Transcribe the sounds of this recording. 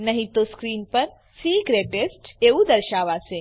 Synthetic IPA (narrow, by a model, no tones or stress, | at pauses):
nəɦit̪oskɾiːnpəɾ | siɡɾeʈesʈeud̪əɾʃaʋase